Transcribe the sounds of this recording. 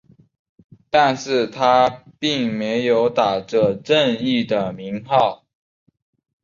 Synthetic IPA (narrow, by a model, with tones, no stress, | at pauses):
t̪a˥˧nʂɻ̩˥˩t̪ʰa˥pi˥˩ŋme˧˦˥ɪjo˧˥ʊt̪a˨˩ʈ͡ʂə˨˩ʈ͡ʂə˥˧ni˥˩d̪ə˩mi˨˧˥ŋxɑ˥˨ʊ